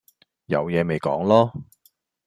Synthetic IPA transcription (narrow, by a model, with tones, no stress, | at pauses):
jɐ̰˨˧wjɛː˨˧me˨˩jkɔ̰ː˨˥ŋlɔː˥